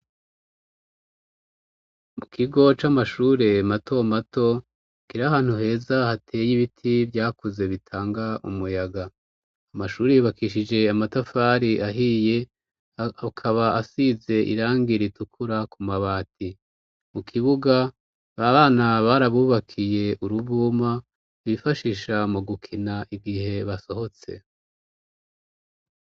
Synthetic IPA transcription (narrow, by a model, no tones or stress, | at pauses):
mukʰiɡo̞t͡ʃamaʃuːɾe̞mato̞mato̞ | kiɾaɦaːn̥huɦe̞zahatʰe̞ːjiβitʰivjaːkuze̞βitʰaːŋɡaʔumujaɡaː | maʃuːɾejuβakiʃid͡ʒe̞amatafaɾiʔaɦije̞ | kʰaβaasize̞ʔḭɾaːŋɡiɾitukʰuɾakumaβaːtʰi | mukʰiβuɡa | βaβaːnaβaɾaβuːβakʰije̞ʔuɾuβuːma | βifaʃiʃamuɡukʰinaʔiɡihe̞βaso̞ho̞t͡se̞̰